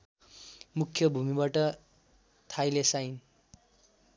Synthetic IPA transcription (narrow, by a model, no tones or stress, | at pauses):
mukʰːjʌbʱumibaʈʌ | t̪ʰajlesajn